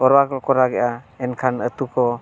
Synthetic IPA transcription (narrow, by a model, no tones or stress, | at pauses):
ɔɾwakɔkɔɾaɡɛʔaenkʰanət̪ukʰɔ